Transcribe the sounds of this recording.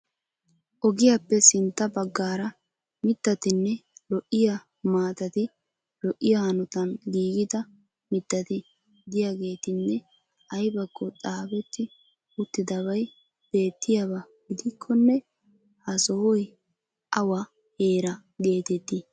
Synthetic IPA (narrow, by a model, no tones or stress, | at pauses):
ʔɔɡɪjapːɛsɪnt̪ːɐbɐɡːaːɾɐ | mɪt̪ːɐt̪ɪnːɛlɔʔːɪjɐ | maːt̪ɐt̪ɪ | lɔʔːɪjahɐnɔt̪ɐnɡiːɡɪd̪ɐ | mɪt̪ːɐt̪ɪ | d̪ɪjaɡe̞ːt̪ɪnːɛ | ɐjbɐkːɔt͡sʼaːbɛt̪ːɪ | ʊt̪ːɪd̪ɐbɐj | b̥e̞ːt̪ːɪjɐbɐɡɪd̪ɪkʰːɔnːɛ | hɐsɔhɔj | ʔɐwɐ | heːɾɐ | ɡe̞ːt̪ɛt̪ːɪ